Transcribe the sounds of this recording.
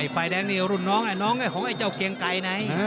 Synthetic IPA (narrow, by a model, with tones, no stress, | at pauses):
jfaː˧˩jɗɛː˧ŋni˧˩ə˨wɾu˧˩nnɔ˨˧˦ŋa˨˩nɔ˧˦˥ŋa˧˩hɔ˨˧˦ʔa˧˩jt͡ɕa˧˩wki˧˩əŋka˨˧˩jna˨˧˩j